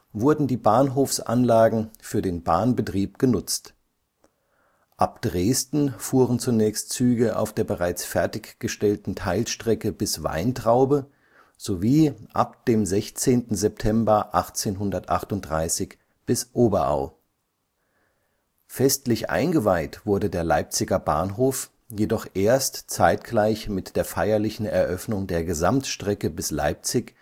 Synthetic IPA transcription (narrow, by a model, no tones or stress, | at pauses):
vʊɐdn̩diːbaːnɦoːfsʔa̰nlaːɡŋ̩fyːɐdeːnba̰ːnbətʁ̥iːpɡ̥ənʊt͡st | ʔap̚d̥ʁeːstn̩fuːʁənt͡sunɛːçstt͡syːɡəʔa̰ʊfd̥eːɐbəʁaɪt͡sfɛɐtɪçɡ̥əʃtɛltn̩tʰaɪlʃtʁ̥ɛkəbɪsv̥a̰ɪntʁ̥aʊbə | z̥oviːʔa̰p̚d̥eːmzɛçt͡seːntn̩zɛp̚tʰɛmbɐʔaχt͡seːnɦʊndɐtʔaχtʊntdʁaɪsɪç | b̥ɪsʔoːbɐʔa̰ʊ | fɛstlɪçʔa̰ɪnɡəvaɪtv̥ʊɐdədeːɐlaɪp̚t͡sɪɡɐba̰ːnɦoːf | jedɔχʔeːɐstt͡saɪtɡ̥laɪçmɪtd̥eːɐfaɪɐlɪçn̩ɛɐʔœfnʊŋdeːɐɡəzamtʃtʁ̥ɛkəbɪsla̰ɪp̚t͡sɪç